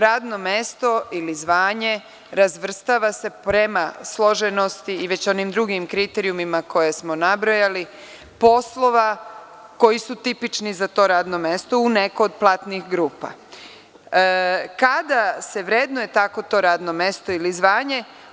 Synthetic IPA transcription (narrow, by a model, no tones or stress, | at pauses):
ɾaːd̪no̞me̞st̪o̞ilizʋaːɲe̞ | ɾazʋr̩st̪aʋase̞pɾe̞maslˠoʒeno̞st̪iːʋe̞t͡ɕo̞nimd̪ɾuɡimkɾit̪eɾiumimako̞jesmo̞nabɾojali | po̞slˠo̞ʋa | ko̞jisut̪ipit͡ʃnizat̪o̞ːɾaːd̪no̞me̞st̪ouneko̞ːd̪̚plˠat̪nixɡɾuːpa̰ | kad̪ase̞ʋɾeːd̪noje̞t̪ako̞t̪o̞ːɾaːd̪nomest̪o̞ilizʋaːɲe̞